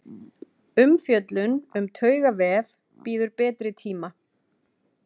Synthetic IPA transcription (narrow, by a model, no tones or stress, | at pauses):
ʏmfjœt̪lʏnʏmt̪ʰœːɥɣavɛːv | piːðʏɾpɛːt̪ɾɪt̪ʰiːma